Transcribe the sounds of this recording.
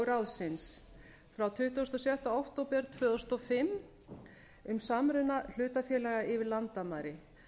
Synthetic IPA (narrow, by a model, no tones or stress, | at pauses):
ɾawðsɪns | fɾawt̪ʰʏht̪uɔst̪ɔsjɛht̪ɔawht̪owpɛɾt̪ʰvœːðɔst̪ɔfɪm | ʏmsamɾʏnal̥ʏːt̪afjɛːlɛɣaʔɪvɪlant̪amaɾɪ